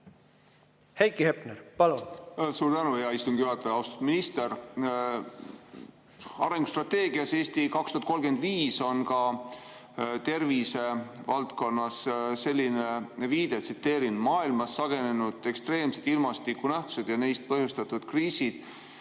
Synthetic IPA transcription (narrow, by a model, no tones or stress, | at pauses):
hejkihepneɾpɑlunsuːɾd̪ænuejɑist̪umŋɡ̥ijyhɑt̪ːeɑwst̪u̥d̪minist̪e̞ɾ | ɑɾe̞ŋɡu̥st̪rɑt̪ːe̞ːɡ̥iɑse̞ːst̪ikɑkst̪uhɑt̪kolɡ̥e̞nd̪viːso̞nkɑ | t̪e̞rvise̞vɑlt̪ko̞nːɑsse̞lʲːineviːd̪̥e̞t̪sit̪ːe̞ːɾinmɑːilmɑsːɑɡ̥e̞ne̞nud̪̥e̞kst̪re̞ːmse̞d̪ilmɑst̪ikːunæht̪u̥se̞d̪̥jɑnejst̪̚pɤhjust̪ɑt̪ːˑud̪̥kriːsid̪̥